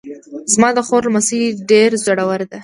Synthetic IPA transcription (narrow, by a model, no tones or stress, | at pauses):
zmɑd̪əxoɾlmasiɖeɾzaɽawəɾd̪e